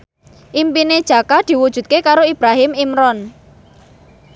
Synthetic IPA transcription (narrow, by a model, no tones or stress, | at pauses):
ʔimpined̥ʒ̥a̤kad̪̥i̤wud̥ʒ̥ṳt̪̚kekaɾoib̥ɾaɦɪmimɾɔn